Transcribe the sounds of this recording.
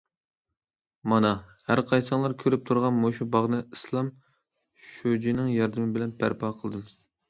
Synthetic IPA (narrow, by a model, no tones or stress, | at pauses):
mɑnɑhæɾqʰɑjsɨŋlˠɑɾkʲʰøɾyp̚t̪ʰuɾʁɑnmoʃubɑʁnɨɨslˠɑm | ʃod͡ʒinɪŋjɑɾd̪ɨmɪbɪlɛnpʰæ̰ɾpʰɑːqʰəlˠd̪ɨm